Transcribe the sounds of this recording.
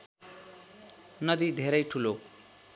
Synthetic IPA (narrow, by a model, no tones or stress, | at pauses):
nʌd̪id̪ʱeɾʌjʈʰulo